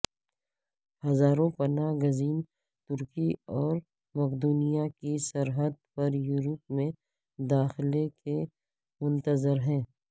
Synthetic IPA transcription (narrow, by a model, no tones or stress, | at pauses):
hɐzaːɾõpɐnaːɡɐziːn | t̪ʊɾkiɔːɾ | mɐkd̪uːnijakisɐɾɦəd̪̚pɐɾjuːɾəp̚mẽ | d̪aːxɪleke | mʊ̃nt̪əzɪɾɦɛ̃ː